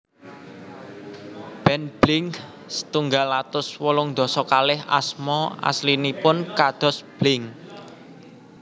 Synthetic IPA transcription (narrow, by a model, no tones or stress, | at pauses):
b̥ɛnb̥lɪŋ | sə̥t̪uŋɡalːat̪ʊswɔlʊŋd̪̥ɔ̤sɔkalɪɦa̰smɔa̰slinipʊnkad̪̥ɔ̤sb̥lɪŋ